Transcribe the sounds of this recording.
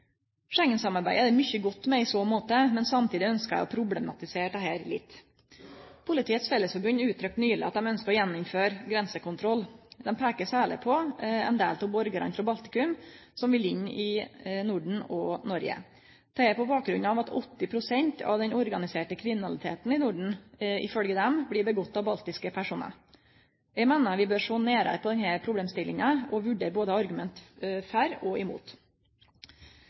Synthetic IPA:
ʂɛŋːənsɑmɑɾbæɪəd̪ɛɾmʏçəɡɔt̪ːmɛɪsoːmoːt̪əmɛnsɑmt̪ʰiːd̪ɪœnskəæ̰ɪɔpʰɾʊblɛmɑ̰t̪ɪseːʈɛheːɾlɪ̰t̪ː | pʰʊlɪt̪ʰiːət̪sfɛlːəsfɔbʉnʉːt̪ʰɾœk̪̚nyːɭɪ̰ɑt̪̚d̪ɛmœnskəɾɔjɛnːʊmføːɾɡɾɛnsəkʊnt̪ʰɾɔld̪ɛnpʰæːkəssæːɭɪ̰pʰɔɛ̰nd̪ḛːlt̪ʰʊbɔɾɡəɾɑ̰nt̪ɾɔbɑlt̪ɪ̥kʉmsɔmʋɪlɪɲːʔɪnuɖɳ̩ɔnɔɾjə̰ | t̪ʰɛɛpɔbɑːk̚ɡɾʉnːɑʋɑt̪ʰɔ̰t̪ːɪpʰɾʊsɛɲt̪ʰɑ̰ʋd̪ɛnɔɾɡɑnɪseːʈəkʰɾɪmɪnɑlɪt̪ʰḛːt̪n̩ɪnuɖɳ̩ɪ̰fœlɡəd̪ɛmblɪːɾbəɡɔt̪ːɑʋbɑlt̪ɪskəpʰæʂuːnə̰ | jɛmeːnəʋɪbøːɾʂoːneːɾə̰pʰɔd̪ɛnhæɾpʰɾʊbleːmst̪ɪlːɪŋəʔɔʋʉɖeːɾboːd̪əɑɾɡʉmɛnt̪fæɾɔʔɪmṵːt̪

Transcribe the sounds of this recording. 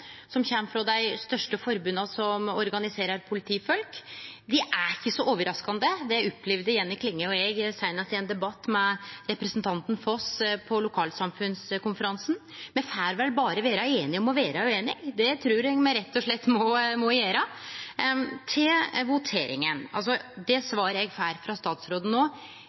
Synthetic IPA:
sɔmçɛmfɾɔd̪æɪst̪œʂʈəfɔɾbʉnɑsɔmɔɾɡɑnɪseːɾɑɾpʰʊlɪt̪ʰiːfɔlkd̪ɪʔæɾɪçːəsɔʔoːʋəɾɑskɑnd̪əd̪ɛɔpʰːlɛʋd̪əjɛnːɪkʰlɪŋːəɔɛɡsæɪnɑst̪ɪɛnd̪ɛbɑt̪ːmɛɾɛpɾəsnt̪ʰɑnt̪n̩fɔspʰɔlʊkʰɑːlsɑmfʉnskʰʊnfəɾɑnsn | mɛnfæːɾʋɛlbɑːɾəʋeːɾɑeːnɪɔmɔʋeːɾɑʉeːnɪɡd̪ɛt̪ʰɾʉːɾɛɡmɛɾɛt̪ʰːɔʂɭɛt̪ːmɔmɔjeːɾə | t̪ʰɪlʋʊt̪ʰeːɾɪ̰ŋənɑ̰ls̬ɔd̪ɛsʋɑːɾəɾɛɡfæːɾfɾɑst̪ɑːt̪sɾoːd̪ən̩oː

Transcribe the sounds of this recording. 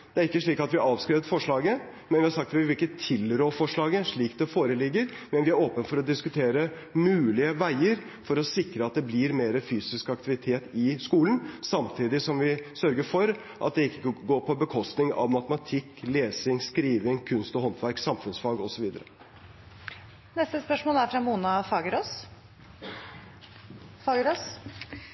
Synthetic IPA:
d̪̥ɛæɾɪkːəʂɭiːkɑt̪ʋɪʔɑːʋskɾɛːʋət̪fɔʂɭɑːɡə | mɛnʋɪhɑɾʂɑkt̪ʋɪʋɪlɪkːət̪ʰɪlɾoːfɔʂɭɑːɡəʂɭiːkd̪ɛfoːɾəlɪɡːəɾ | mɛnʋɪæɾoːpənfɔɾɔd̪ɪskʉt̪ʰeːɾə | mʉːlɪəʋæɪəɾ | fɔɾɔsɪkɾəɑt̪̚d̪ɛblɪɾmeːɾəfyːsɪskɑk̚t̪ɪʋɪt̪ʰeːt̪ɪskuːlənsɑmt̪ʰiːd̪ɪsɔmʋɪsœɾɡəɾfɔɾ | ʔɑt̪̚d̪ɛɪkːəɡoːɾpʰɔbəkʰɔst̪nɪŋɑ̰ʋmɑt̪əmɑt̪ʰɪkːleːsɪŋskɾiːʋɪŋkʰʉnst̪ɔhɔnt̪ʰʋæɾksɑmfʉnsfɑːɡɔsɔʋiːd̪əɾə | nɛst̪əspœʂmoːlæɾfɾɑmuːnɑfɑːɡəɾɔs | fɑːɡəɾos

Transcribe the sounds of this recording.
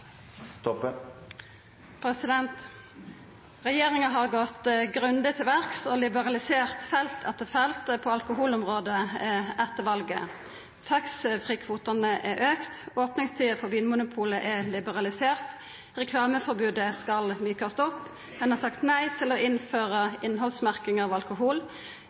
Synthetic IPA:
t̪ | pʰɾɛsɪd̪ɛnt̪ | ʁɛjeːʁɪŋɑɦɑʁɡɔt̪ɡʁʉnd̪ɪt̪ʰɪlʋæʁksɔlɪbəʁɑlɪseːʁt̪fɛlt̪ʰɛt̪əfɛlt̪pʰɔɑlkʊɦuːlʊmʁoːd̪əʔɛt̪ːəʋɑlɡə̰ | t̪ʰɑksfʁiːkʰʋuːt̪ɑnəʔɛɾʔøːkt̪oːpnɪŋst̪ʰiːəfɔʋiːnmʊnʊpʰuːləʔɛlɪbəʁɑlɪseːʁt̪ | ʁɛkʰlɑːməfɔʁbʉːd̪əskɑlmyːkɑst̪ɔpː | mɛnhɑsɑkt̪næɪt̪ʰɪlɔʔɪnføːʁəɪnɦɔlsmæʁkɪŋɑːʋɑlkʊɦuːl

